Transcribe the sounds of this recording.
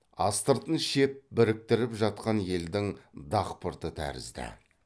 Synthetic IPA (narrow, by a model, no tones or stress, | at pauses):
ɑst̪əɾt̪ənʃe̞p̚bɪɾɪk̚t̪ɪɾɪpʒɑt̪̚qɑnje̞ld̪ɪŋd̪ɑqpəɾt̪ət̪ʰæ̰ɾɪ̰zd̪ɪ̰